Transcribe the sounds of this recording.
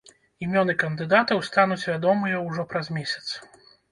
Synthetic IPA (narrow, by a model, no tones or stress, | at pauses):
imʲɔnɨkɐnd̪ɨd̪at̪ɐwst̪anut͡sʲvʲad̪ɔmɨjɐwʐɔpɾɐzmʲesʲɐ̥t̪s